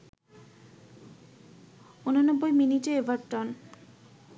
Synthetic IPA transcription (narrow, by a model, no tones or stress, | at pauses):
unonɔbːojminiʈeevaɾʈɔn